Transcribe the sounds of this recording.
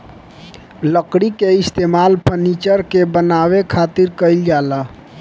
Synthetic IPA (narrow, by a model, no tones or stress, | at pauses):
ləkɽikeɪst̪emalpənit͡ʃəɾkebənawekʰat̪iɾkəɪld͡ʒala